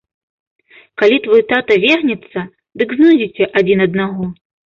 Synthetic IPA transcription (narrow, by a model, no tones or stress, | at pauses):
kalʲit̪vɔjut̪at̪ɐvʲɛɣnʲɛt̪sːɐ | d̪ɨɡznud͡zʲit͡sʲɛʔad͡zʲinɐd̪̚naɣɔ